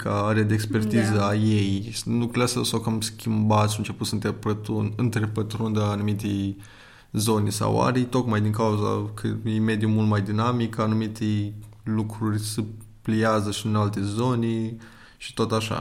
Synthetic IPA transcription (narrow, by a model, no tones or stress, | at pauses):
kʰaaɾead̪eeːkspe̞rt̪izəajejslukɾuɾassawkamskʲimbat̪sʃaɨnt͡ʃe̞put̪sənt̪epət̪unɨnt̪ɾepət̪ɾund̪ːnumit̪ej | zo̞nesa̰wa̰ɾijt̪o̞kmajd̪iŋkauza̰kʰə̰eime̞d̪iumult̪majd̪inamikanumit̪elukɾurʲsɨ | pliazəʃiɨnalt̪ezo̞ne | ʃi̥t̪ot̪aʃa̰